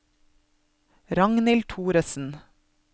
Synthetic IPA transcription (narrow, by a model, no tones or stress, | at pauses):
ɾɑŋnɪlt̪ʰuːɾəsn̩